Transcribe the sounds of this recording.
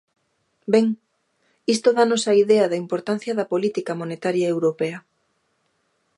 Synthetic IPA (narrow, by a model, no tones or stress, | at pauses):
beŋ | ist̪oðanosɐiðeɐðɐimpoɾt̪an̟θjɐðɐpolit̪ikɐmonet̪aɾjɐewɾopeɐ